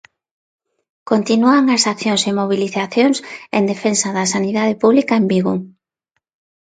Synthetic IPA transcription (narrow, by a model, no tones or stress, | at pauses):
kont̪inuaŋasakθjoŋsemoβ̞iliθaθjoŋsḛnd̪efensɐðɐsaniðaðepuβlikaembiɣo